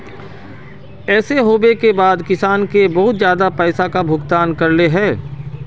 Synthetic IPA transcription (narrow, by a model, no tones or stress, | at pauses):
ɛːseɦoːbekebaːd̪kɪsaːnkebɐɦʊt̪zjaːd̪apɛːsakabʱʊɡt̪aːnkɐɾleɦɛ̃ː